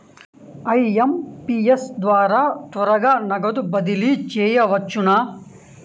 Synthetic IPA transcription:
ɐjɐmpiːesd̪ʋaːɾat̪ʋɐɾɐɡɐnɐɡɐd̪ubɐd̪ilit͡ʃeːjɐʋɐt͡ʃːuna

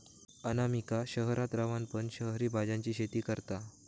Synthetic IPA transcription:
ənamikaɕəɦɾat̪ɾaʋanpəɳɕəɦɾiːbʱad͡ʑãɲt͡ɕiːɕet̪iːkəɾt̪a

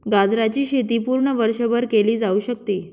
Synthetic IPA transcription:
ɡad͡zɾat͡ɕiːɕet̪̬iːpuɾɳəʋəɾɕəbəɾkeliːd͡zauɕək̚t̪iː

